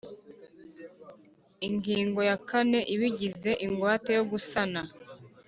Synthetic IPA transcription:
iŋɡiːŋɡo̞jakane̞ʔiβiɟize̞ʔiŋɡwaːtejo̞ɡusana

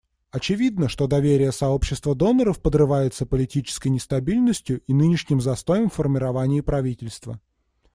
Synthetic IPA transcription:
ɐt͡ɕɪvʲid̪nəʂt̪o̞d̪ɐvʲeɾʲɪjəsɐo̞pɕːɪst̪vəd̪o̞nəɾəfpəd̪rɨvajʊt̪səpəlʲɪtʲit͡ɕɪ̥skəjnʲɪst̪ɐbʲilʲnəsʲtʲjʊʔinɨnʲɪʂnʲɪmzɐst̪o̞jəmfːərmʲɪɾɐvanʲɪːpɾɐvʲitʲɪlʲst̪və

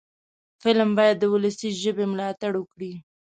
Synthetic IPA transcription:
fɪlmbɑjad̪ːəwʊləsiʒəbemlɑt̪aɽwəkɽi

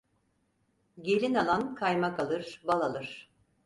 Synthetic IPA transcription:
ɟe̞lʲinalˠankʰajmakalˠɯɾ̥balˠalˠɯɾ̥

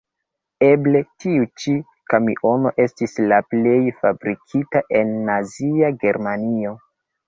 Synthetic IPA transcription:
e̞ble̞tiut͡ʃi | kamiʔo̞no̞ʔe̞stislaple̞jfabɾikʰitaʔe̞nːaziaɡe̞ɾmanio̞

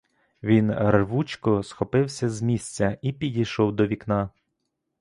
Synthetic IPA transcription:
ʋʲinrʋut͡ʃkɔsxɔpɪwsʲɐzmʲisʲt͡sʲɐipʲidʲijʃɔwd̪ɔʋʲiknɑ

